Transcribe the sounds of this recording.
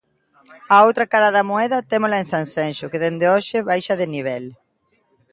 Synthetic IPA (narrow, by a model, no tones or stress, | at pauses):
aowt̪ɾakaɾaðɐmoɛðɐt̪emolaensãnsenʃʊkɪðend̪eoʃɪβajʃɐðɪniβ̞ɛl